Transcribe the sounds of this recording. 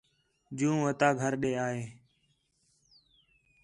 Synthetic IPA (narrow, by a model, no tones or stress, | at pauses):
d͡ʒũːʋət̪aːɡʱəɾɗeːaːɦeː